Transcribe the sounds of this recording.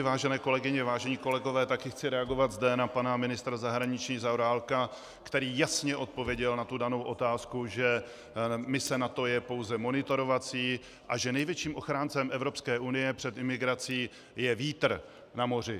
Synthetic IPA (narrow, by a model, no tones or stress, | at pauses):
vaːʒɛnɛːko̞lɛɡɪɲɛvaːʒɛɲiːko̞lɛɡo̞vɛːt̪akɪxt͡sɪɾɛaɡo̞vad̪zdɛnapanamɪnɪst̪ɾazaɦɾaɲɪt͡ʃɲiːzawɾaːlka | kt̪ɛɾiːjasɲɛʔo̞t̪̚povjɛɟɛlnat̪udano̞wʔo̞t̪aːskuʒɛ | mɪsɛnat̪o̞jɛpo̞wzɛmo̞nɪt̪o̞ɾo̞vat͡siː | ʔaʒɛnɛjvjɛt͡ʃiːmʔo̞xɾaːnt͡sɛmɛvɾo̞pskɛːʔunɪjɛpr̝̥ɛt̪ɪmɪɡɾat͡siː | jɛviːt̪r̩ | namo̞rɪ